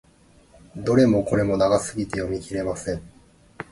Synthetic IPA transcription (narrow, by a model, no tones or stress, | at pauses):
d̪o̞ɾe̞mo̞ko̞ɾe̞mo̞naɡasɨɡʲit̪e̞jomʲikʲiɾe̞masẽ̞ɴ